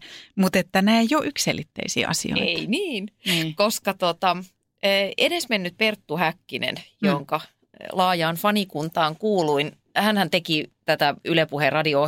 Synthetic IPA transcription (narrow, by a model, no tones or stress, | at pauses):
mut̪et̪ːænæˑejjoʔykssḛlit̪ːḛisḭːʔɑ̰sḭo̰ieiniːnkoskɑt̪ot̪ɑ | əːenesmenːyt̪̚pert̪ːuhækːinḛnjoŋkɑ | lɑːjɑːnfɑnikunt̪ɑːŋkuːluin | hænhænt̪ekit̪æt̪æylepuherɑdio